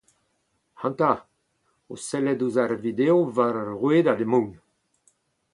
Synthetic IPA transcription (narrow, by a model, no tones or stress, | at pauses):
hɑ̃nt̪a | o̰sɛlɛduzaɾvid̪eovaɾʁweːdademũŋ